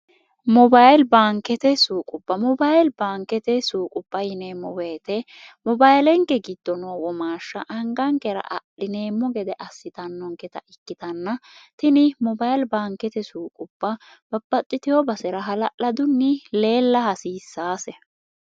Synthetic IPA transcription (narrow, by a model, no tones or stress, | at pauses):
mɔbajlbaːŋkɛt̪ɛsuːkʼʊbːɐmɔbajlbaːŋkːɛt̪ɛsuːkʼʊbːɐjɪnemɔbɐjt̪ɛ | mɔbajlɛŋkɛɡɪd̪̥ːɔnoːwɔmaːʃːɐ̰ʔɐŋɡɐŋkɛɾɐ̰ʔɐ̰ɗɪneːmːɔɡɛd̪ɛʔɐsːɪt̪ɐnːɔŋkɛt̪ɐʔɪkːɪt̪ɐnːɐt̪ɪnɪmɔbajlbaːŋkɛt̪ɛsuːkʼʊb̥ːɐ | b̥ɐb̥ːɐt̪ʼːɪt̪ɪjɔbɐsɛɾɐɦɐlɐʔɐd̪ʊnːɪle̞ːlːɐhɐsiːsːaːsɛ